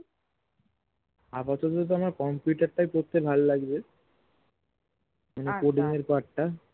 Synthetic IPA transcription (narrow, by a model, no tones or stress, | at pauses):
apat̪ɔt̪t̪̬oamaɾkɔmpjuʈaɾʈajpɾot̪ːebʱallaɡbe | manekoɖiŋeɾpaʈːa